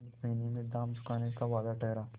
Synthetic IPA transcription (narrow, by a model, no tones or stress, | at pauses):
kmeːnimẽd̪aːmt͡ʃʊ̥kaːnekaʋaːd̪aʈɛɦɾaː